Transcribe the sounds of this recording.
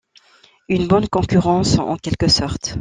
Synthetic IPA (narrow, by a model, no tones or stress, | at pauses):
ynbɔnkɔ̃kʲyʁɑ̃sɑ̰̃kʲɛlkəsɔʁt̪